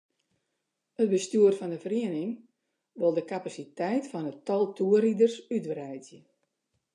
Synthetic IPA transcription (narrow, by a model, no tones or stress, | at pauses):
ət̚bəstyərfɔndəfriənɪŋ | ʋolˠdəkapasitɛjtfɔnətɔlˠtʰuəridərsytʋrɛjdjə